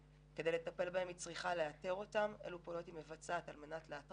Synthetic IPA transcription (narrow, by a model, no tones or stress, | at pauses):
kedejletɐpelbae̞mit͡sʁiχaleate̞ʁo̞tamḛlupolotimevat͡saːtalme̞natleatʁ